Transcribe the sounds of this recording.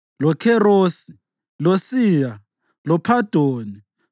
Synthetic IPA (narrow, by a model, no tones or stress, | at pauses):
lɔkʰɛroːsi̥ | losiːja | lɔpʰad̥ʱoːni